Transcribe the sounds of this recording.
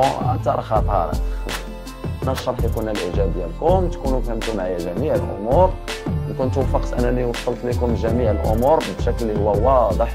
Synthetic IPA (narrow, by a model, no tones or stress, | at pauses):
ʕæ̰t̪ɑɾˤxɑt̪ˤɑ̰ɾ̰ˤ | ʔnæʃːɑɾˤħjkunːælʔiʒæbəjːælkʊmt̪kunufhəmt̪ʊmʕajæʒæmiʕəlʔʊ̰muɾnkʊnt̪wfɑqt̪ʔæ̰nːæniwɑsˤːɑlt̪ˤlikʊmʒæmiʕəlʔʊ̰muɾˤbʃæklːihʊwːæʊwːæd̪ˤəħ